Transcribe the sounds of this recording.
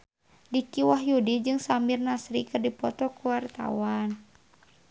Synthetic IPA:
dikiwaɦjudid͡ʒɨŋsamirnasɾikɨrdipɔt̪ɔkuwart̪a̰wan

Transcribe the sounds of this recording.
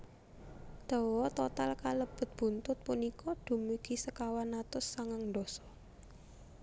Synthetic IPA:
d̪̥ɔ̤wɔt̪ɔt̪alkaləb̥ə̤t̪̚b̥ṳnt̪ʊt̪̚punikʰɔɖ̪̥ṳmiɡ̥i̤səkawanːat̪ʊsːaŋaŋɳdɔsɔ̥

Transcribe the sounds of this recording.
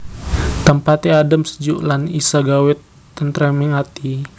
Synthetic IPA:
t̪əmpat̪iadamsə̥d͡ʒuʔlanisaɡawɪt̪ː | ənt̪ɾɛmɪŋat̪i

